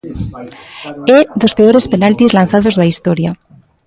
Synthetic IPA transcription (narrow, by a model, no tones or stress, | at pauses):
eðo̞speoɾe̞spe̞nalt̪izlanθaðo̞zðaist̪oɾja